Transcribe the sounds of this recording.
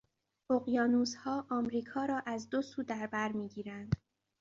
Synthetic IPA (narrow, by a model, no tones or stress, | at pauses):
ʔoɣjɒːnuːzhɒːʔɒːmɾiːkʰɒːɾɒːʔæzd̪osuːd̪æɾbæɾmiːɡiːɾænd̪̥